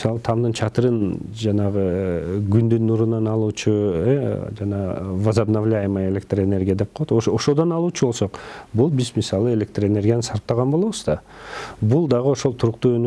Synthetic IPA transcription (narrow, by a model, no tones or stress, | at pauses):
sɑlˠɯt̪ʰɑmd̪ɯnt͡ʃʰɑt̪ɯɾɯn | d͡ʒɑnɑʁɯɡynd̪ynːuɾunɑnɑlˠuːt͡ʃued͡ʒɑnɑvazabnavlʲajməe̞lʲe̞k̚t̪rəe̞ne̞ɾʲɡʲijad̪e̞p̚qʰolˠot̪oʃoʃod̪o̞nɑlˠuːt͡ʃʰubo̞lˠso̞qbulˠbizmʲisɑlˠɯe̞lʲe̞kt̪rəe̞ne̞rʲɡʲjanɯsɑɾt̪̚t̪ɑʁɑnboo̞βuzd̪ɑbulˠd̪ɑʁɯo̞ʃolˠt̪ʰuɾuqt̪uːøny